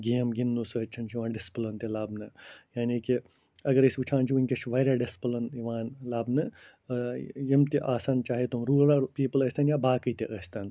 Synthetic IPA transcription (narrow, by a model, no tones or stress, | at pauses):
ɡeːmɡinːusəːt͡ʃʰɐnt͡ʃʰiʋãːnɖɪsplɐnt̪elaːbnɨjaːniːki | ɐɡɐɾisʲut͡ʃʰãːnt͡ʃʰiʋinʲkɐʃʋaːjɾaːɖɪspɐlɐniʋãːnlaːbnɨ | jɐmt̪iʔaːsaːnt͡ʃaːɦet̪umɾuːɾapiːpələːsʲt̪ɐːnjaːbaːkɨt̪iʔəst̪ɐn